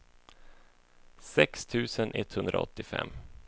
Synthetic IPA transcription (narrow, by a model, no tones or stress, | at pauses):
sɛkst̪ʰʉ̟ːsənʔɛt̪ːhɵnd̪ɾaɔ̰t̪ːɪfɛ̰mː